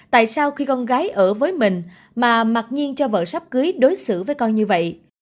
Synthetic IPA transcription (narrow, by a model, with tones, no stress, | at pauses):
t̪a̰ː˧˨jsaː˧wxi˧kɔ˧nɣaː˨˦jʔəː˧˩vəː˨˦jmï˨˩ŋ̟ | maː˨˩ma˨˩t̚ɲi˧ənt͡ɕɔ˧və̰ː˧˨˩sa˦˥wp̚kɨ˨˦jɗo˨˦jsɨ̰˧˩vəː˨˦jkɔ˧nɲɨ˧və̰˧˨jʔ